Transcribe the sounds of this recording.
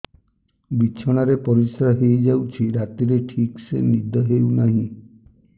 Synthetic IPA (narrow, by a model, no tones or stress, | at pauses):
bit͡ʃʰɔɽ̃aɾepɔɾisaɦejd͡ʒawt͡ʃʰiɾat̪iɾeʈʰiksḛnid̪ʱɔɦewnaɦĩ